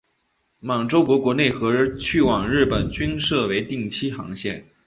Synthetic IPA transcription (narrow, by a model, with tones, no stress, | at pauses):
mɑ˨˩ŋʈ͡ʂo˥ʊkwɔ˧˥kwɔ˧˥ne˥˩ɪxɤ˧˥ɻt͡ɕʰy˥˩wɑ˨˩ŋɻɻ̩˥˩pə˨˩nt͡ɕy˥nʂɤ˥˩we˧˥ɪt̪i˥˩ŋt͡ɕʰi˥xɑ̰˧˥ŋɕjɛ̰˥˩n